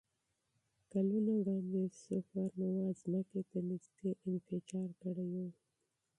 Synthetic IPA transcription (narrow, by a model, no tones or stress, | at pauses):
kalunawɽɑnd̪esafaɾnawazməket̪anɪzd̪eʔɪnfɪt͡ʃɑɾkəɽejo